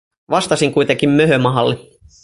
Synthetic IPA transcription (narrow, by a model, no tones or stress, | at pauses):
ʋɑst̪ɑsiŋkujt̪eŋk̟immøɦømɑɦɑlːe